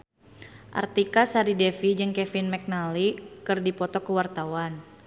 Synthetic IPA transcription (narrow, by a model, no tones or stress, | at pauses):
ʔa̰rt̪ikasaɾidɛfid͡ʒɨŋkɛfinmɛk̚nalikɨrdipɔt̪ɔkəwart̪auwan